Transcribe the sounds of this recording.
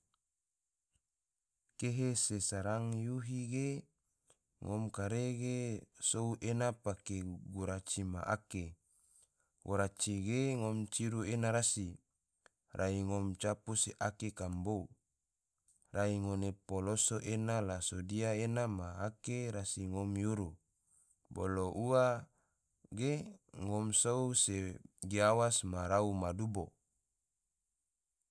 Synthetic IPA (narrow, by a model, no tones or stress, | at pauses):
keɦesesaɾaŋjuɦiɡe | ŋʔomkaɾeɡesouʔenapakeɡuɾat͡ʃima̰ʔa̰ke | woɾat͡ʃiɡeŋomt͡ʃiɾuenaɾasi | rʔaiŋomt͡ʃapuseʔakekambou | raiŋonepolosoʔenalasodiaenamaːkeɾasiŋomjuɾu | bo̰loʔua | ɡeŋɔmsouseɡeawasmaɾaumadubo